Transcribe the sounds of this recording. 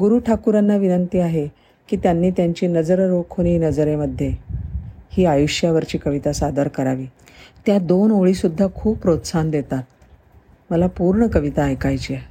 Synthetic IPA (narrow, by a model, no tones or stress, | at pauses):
ɡuɾuːʈʰakuɾanːaʋinənt̪iːaɦe | kiːt̪janːiːt̪jaɲt͡ɕiːnəd͡zəɾɾokʰoɽ̃iːnəd͡zɾeməd̪ʱːje | hiːajuʂjaʋəɾt͡ɕiːkəʋit̪asad̪əɾkəɾaʋiː | t̪jad̪onoɭisud̪ʱːakʰuːppɾot̪sand̪et̪at̪̚ | məlapuɾɳəkəʋit̪aəjkajt͡ɕie